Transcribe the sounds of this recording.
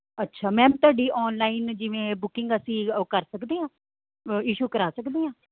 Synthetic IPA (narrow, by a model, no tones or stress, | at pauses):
ətːʃʰaːmɛ̃ːt̪ʊaːɖiːʔɔːnlaːind͡ʒɪʋẽːbʊkɪŋɡəsĩːkəɾsəkd̪eːãː | iːʃuːkəɾaːsəkd̪eːɦãː